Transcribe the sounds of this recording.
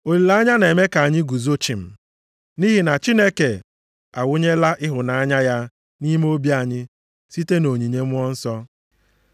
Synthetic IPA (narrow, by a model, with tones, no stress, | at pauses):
o˨li˨la˦a˦ɲa˦ne˨me˦ka˨a˨ɲɪ˦ɡu˨zo˦t͡ʃi˨m̩˨ | ni˦ɦi˨na˨t͡ʃi˦ne˦ke˨ | a˨wʊ˦ɲe˦la˦ʔɪ˦ɦʊ˨na˨a˦ɲa˦ja˦ | ni˦m˦o˦bi˦a˨ɲɪ˦ | si˦te˦no˨ɲi˨ɲe˦m˦ɔ˦n̩˦sɔ˦